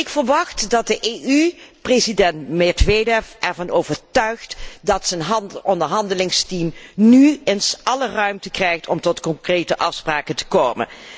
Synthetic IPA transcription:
ɪkfəɹʋɑχtdɑt̚dəʔeʔyprezidɛntmɪdʋedɛfʔɛɹvɑnowvəɹtœɥχtdɑtsənɦɔndəɹɦɑndəlɪŋstimnyɪnsʔɑlərœɥmtəkrɛjxtɔmtɔtkɔŋkrejtəʔɑfspraːkəntə̥koːmə̰n

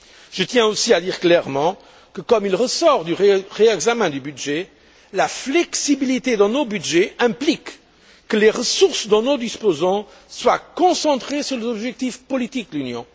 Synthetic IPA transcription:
ʒ̥ət̪jɛ̃osiad̪iːʁklɛʁmɑ̃ | kəkɔmilʁəsɔʁd̪yʁʁeɛɡzamɛ̃d̪ybyd̪ʒɛ | laflɛksibilit̪ed̪ɑ̃nobyd̪ʒɛɛ̃plikː | əleʁəsuʁsd̪ɑ̃nod̪ispozɑ̃ | swakɔ̃sɑ̃t̪χesyʁlezɔbʒɛk̚t̪ifpɔlit̪ik̚d̪əlynjɔ̃

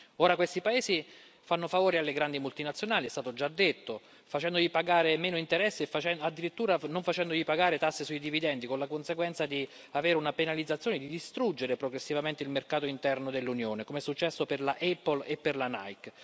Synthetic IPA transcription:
oːɾakwest̪ipaeːsi | fanːofavoːɾialːeɡɾand̪imult̪inat̪sjonaːliɛst̪aːt̪od͡ʒad̪ːet̪ːo | fat͡ʃɛnd̪oʎipaɡaːɾemeːnoint̪eɾɛsːefat͡ʃɛad̪ːiɾit̪ːuːɾanoɱfat͡ʃɛnd̪oʎipaɡaːɾet̪asːesuid̪ivid̪ɛnd̪ikonlakonseɡwɛnt̪sad̪i | aveːɾunapenalid̪zːat̪sjoːned̪id̪ist̪ɾud͡ʒːeɾepɾoɡɾesːivament̪eilmerkaːt̪oint̪ɛrnod̪elːunjoːnekomeɛsːut͡ʃːɛsːoperlaʔɛpːolepːerlana̰jk

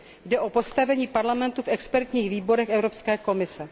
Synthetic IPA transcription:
jdɛʔo̞po̞st̪avɛɲiːpaɾlamɛnt̪ufʔɛkspɛɾt̪ɲiːxviːbo̞ɾɛxɛvɾo̞pskɛːkomɪsɛ

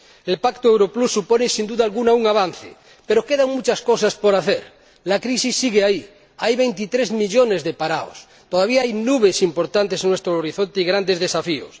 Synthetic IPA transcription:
elpakt̪oewɾoplusːuponesind̪uðaːlɣunauŋaβan̟θḛ | peɾokeðaŋmut͡ʃaskosaspoɾaθeɾ | lakɾisisːiɣeai | ajβejnt̪it̪ɾezmiʎonezðepaɾao̰s | t̪oðaβ̞iaajnuβesimpoɾt̪ant̪esnwest̪ɾooɾiθont̪eiɣɾand̪ezðesafio̰s

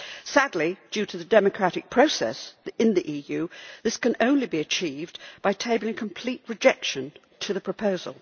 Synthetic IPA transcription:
sædˡlid̥ʉɾɨðɨdɛmɨkʰɹ̥æɾɨk̚pʰɹ̥oʊsɛ̰sɨ̃nðiʔijʉðɪskɨ̃nõʊ̃nlibiɨt͡ʃʰivb̥aɪtʰeɪblˠɪ̃ŋkʰə̃m̩pʰl̥it̚ɹɨd͡ʒɛkʃɨ̃n | tʰɨðɨpʰɹ̥əpʰoʊzə̰lˠ

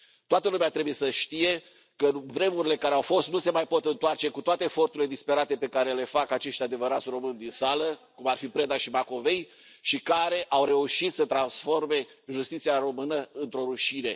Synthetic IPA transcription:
t̪oat̪əlumeat̪ɾe̞buje̞səʃt̪ije̞ | kəvɾe̞muɾile̞kaɾeawfo̞st̪nuse̞majpo̞t̪ɨnt̪oart͡ʃe̞kut̪oat̪eːfo̞rt̪uɾiled̪ispe̞ɾat̪e̞pe̞kaɾe̞le̞fakat͡ʃe̞ʃt̪ʲad̪e̞vəɾat̪sʲro̞mɨnd̪insaləkumarfipɾe̞d̪aʃimako̞ve̞j | ʃikaɾe̞ʔawɾe̞uʃit̪sət̪ɾansfo̞rme̞ʒust̪it̪siaɾo̞mɨnəɨnt̪ɾo̞ɾuʃine̞

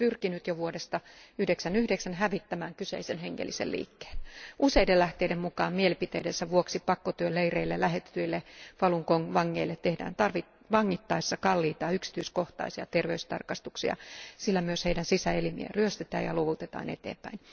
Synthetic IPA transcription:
pyrkinyt̪joʋuodest̪ɑyhdeksænyhdeksænhæʋit̪ːæmæːŋkysḛisenɦeŋːḛlːisḛllḭːkːe̥ːluseidelæht̪eidemmukɑːmmielipit̪eidensæʋuoksipɑkːot̪yøleireilːelæhet̪ːyilːeʋɑluŋkoŋʋɑŋːeilːet̪ːehdæ̰ːnt̪ɑrʋi | ʋɑŋːit̪ːɑisːɑkɑlːiːt̪ɑːyksi̥t̪yiskoht̪ɑ̰isiɑt̪erʋeyst̪ɑ̰rkɑst̪uksiɑ̰silːæmyøsheidænsisæelimḭḛryøst̪et̪æ̰ːjɑ̰loʋut̪et̪ɑ̰ːnḛt̪ḛːmpæ̰in

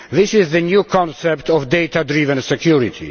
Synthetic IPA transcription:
ðɪsɪzðənjukʰɔ̃nsɛptʰɔvdejtadɾivə̃nsɛkʰjuɹit̪ʰḭ

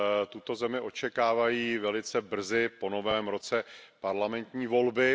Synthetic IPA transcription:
t̪ut̪o̞zɛmɪʔo̞t͡ʃɛkaːvajiːvɛlɪt͡sɛbr̩zɪpo̞no̞vɛːmɾo̞t͡sɛpaɾlamɛnt̪ɲiːvo̞lbɪ

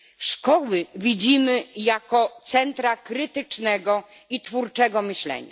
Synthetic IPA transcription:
ʂkɔwɘvʲid͡ʑimɘjakɔt̪sɛnt̪ɾakɾɘt̪ɘt͡ʂnɛɡɔ | itfuɾt͡ʂɛɡɔmɘɕlɛ̰ɲa̰

